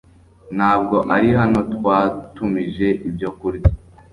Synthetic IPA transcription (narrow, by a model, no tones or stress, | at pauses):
n̥haːb̚ɡo̞ʔaɾiɦano̞tkwaːtumiʒe̞ʔibɟo̞kuɾɡi